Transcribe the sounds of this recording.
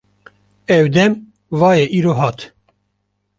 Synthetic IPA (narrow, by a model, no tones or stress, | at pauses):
ɛwd̪ɛm | vɑːjɛʔiːɾoːɦɑːt̪